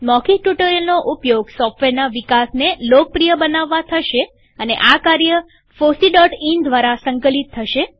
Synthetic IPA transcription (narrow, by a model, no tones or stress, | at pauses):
mɔkiʈuʈəɾəlnoʔupjoɡsɔfʈʋeɾnaʋikasnelok̚pɾijəbənaʋːat̪ʰəʃe | ənḛʔakaɾjə | fosiɖɔʈind̪ʋaɾasəŋkəlit̪ʰːəʃe